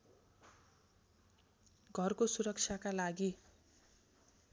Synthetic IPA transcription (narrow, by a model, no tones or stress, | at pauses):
ɡʱʌrkosuɾʌkt͡sʰjakalaɡi